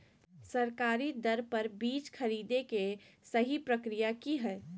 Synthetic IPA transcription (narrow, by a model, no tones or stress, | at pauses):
sɐɾkaːɾid̪ɐɾpɐɾbiːt͡ʃxʰɐɾiːd̪ekesɐɦipɾɐkɾijakiɦɛː